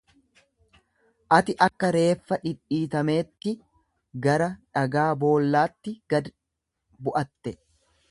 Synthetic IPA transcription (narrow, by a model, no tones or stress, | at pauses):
ʔɐt̪ɪʔɐkːɐɾe̞ːfːɐᶑɪᶑiːt̪ɐme̞ːt̪ːɪ | ɡɐɾɐᶑɐɡaːbo̞ːlːaːt̪ːɪɡɐd̪ | bʊʔɐt̪ːɛ